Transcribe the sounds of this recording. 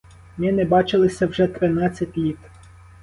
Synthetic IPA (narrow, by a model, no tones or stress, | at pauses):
mnɛnɛbɑt͡ʃɪlˠɪsʲɐwʒɛt̪ɾɪnɑt͡sʲːɐtʲlʲit̪